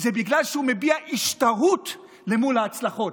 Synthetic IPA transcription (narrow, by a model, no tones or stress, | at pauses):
zebiɡlalʃeume̞biaʔiʃtaʁut | le̞mulaːt͡slaχo̞t